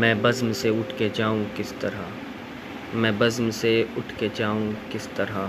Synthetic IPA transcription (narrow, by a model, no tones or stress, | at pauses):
mɛ̃ːbɐzmseʊʈʰked͡ʒaːũkɪst̪ɐɾa | mɛ̃ːbɐzmseʊʈʰked͡ʒaːũkɪst̪ɐɾa